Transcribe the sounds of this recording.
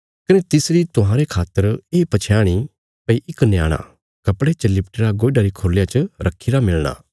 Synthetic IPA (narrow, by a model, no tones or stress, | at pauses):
kɐnet̪ɪsɾit̪ʊɦãːɾekʰaːt̪ːəɾeːpɐt͡ʃʰjaːɽ̃i | pɐiʔɪknja̰ːɽ̃a̰ | kɐpɽet͡ʃɐlːɪp̚ʈeɾaɡoːiɖaːɾikʰoːljat͡ʃəɾɐkʰiːɾamɪɭɽ̃a̰ː